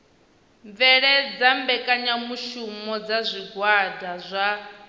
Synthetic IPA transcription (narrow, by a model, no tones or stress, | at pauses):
ɱvɛɺɛd͡zambɛkʼaɲamuʃumɔd͡zazʷiɡwadazʷa